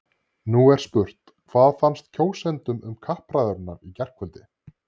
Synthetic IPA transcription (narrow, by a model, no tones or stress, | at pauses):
nuɛɾ̥spʏr̥t̪ | kʰvaðfanst̪̚cʰoːwsɛnt̪ʏmʏmkʰahpɾaːðʏɾʏnːaɾicɛr̥kʰvœlt̪ɪ